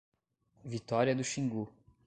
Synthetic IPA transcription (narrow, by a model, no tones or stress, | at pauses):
vit̪ɔɾiɐd̪ʊʃĩŋɡu